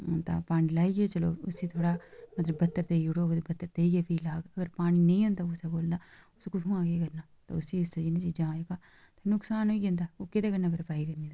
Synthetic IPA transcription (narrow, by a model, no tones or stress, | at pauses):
t̪a̰ːpaːɽ̃iːlaːiːɡet͡ʃəlo̰ːʊsiːt̪ʰoːɽaːmɐt̪ləbːɐt̪ːəɾt̪euɽoːɡt̪ebɐt̪ːəɾt̪eiɡeːpʰiːlaːɡəɡəɾpaːɽ̃iːnɐĩːõːnd̪aːʊseɡoːld̪aːʊskʊt̪ʰũːãːɡekəɾnaːt̪a̰ːʊsiːɪsːed͡ʒinẽt͡ʃiːd͡ʒãːeɡaː | t̪anʊksaːnoːiɡẽnd̪aːoːkɪt̪eːkəɾnaːpəɾpaːikɐɾniːd̪a